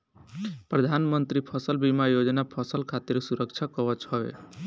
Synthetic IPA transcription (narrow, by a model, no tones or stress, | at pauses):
pɾəd̪ʱanmənt̪ɾipʰʌsəlbimajod͡ʒnapʰʌsəlkʰat̪iɾsuɾək̚t͡ʃʰakɔət͡ʃɦɔbḛ